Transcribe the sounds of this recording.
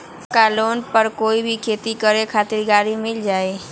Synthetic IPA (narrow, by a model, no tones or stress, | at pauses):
kaːloːnpəɾkoːibʱikʰeːt̪ikəɾekʰaːt̪ɪɾɡaːɾimɪld͡ʒaːeː